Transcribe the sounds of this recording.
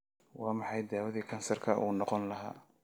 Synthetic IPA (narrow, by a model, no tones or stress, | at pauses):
wɑːmɑħɑjd̪aːwɐðikʰɐnsɐrkʰɐʔuːnɔqɔnlɐɦa̰ː